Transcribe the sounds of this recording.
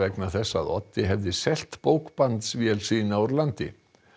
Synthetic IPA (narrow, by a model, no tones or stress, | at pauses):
ɛknaθɛsːa̰ðɔ̰t̪ːɪɦɛvðɪsɛl̥t̪powkpant̪svjɛlsiːnaɔɾlant̪ɪ̰